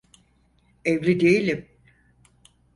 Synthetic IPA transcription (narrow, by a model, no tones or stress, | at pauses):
evlʲid̪ejilʲim